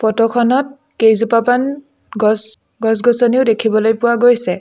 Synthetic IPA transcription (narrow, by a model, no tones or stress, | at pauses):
pʰɔtɔkʰɔnɔt̚ | kejzupapan | ɡɔs | ɡɔs̬ɡɔsɔniʊdekʰibɔlojpʊwaɡojsɛ